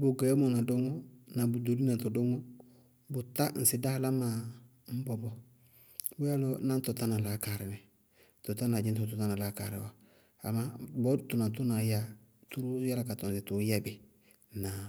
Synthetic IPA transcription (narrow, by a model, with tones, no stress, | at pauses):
bʊ˨ɡa˨jmo˨na˨do˦ŋo˦na˨bu˨do˨ɾi˦na˨to˨do˦ŋo˦ | bʊ˨ta˦n̩˨sɪ˦da˦la˦ma˨ | m̩˦bɔ˨bɔ˦ | bu˦ja˦lo˦na˦n˦to˨ta˦na˨la˨˦ka˨ɾɪ˨mɛ˨ | to˨ta˦na˨d͡ʒɪ˦nto˨to˨ta˦na˨la˦ka̰˨ɾɪ˨wo˨ | a̰˨ma˦bɔ˦tu˨na˨t̬u˦na˨ja˦ | tu˦ɾu˦ja˦la˨˦ka˨tɔ˨n˨si˨tu˨˦ja˦bɪ˨ | na˨